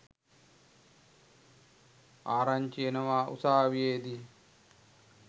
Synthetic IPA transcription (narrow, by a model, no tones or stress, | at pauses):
aːɾaɲt͡ʃijenɐʋaːʔṵsaːʋijeːd̪i